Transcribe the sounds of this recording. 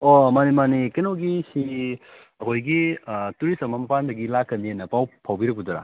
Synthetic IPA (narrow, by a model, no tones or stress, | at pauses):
omanimanikenoɡisi | ɐkʰojɡituɾisɐmɐmpandɐɡilakːɐnienɐpawpʰawbiɾɐk̚buduɾa̰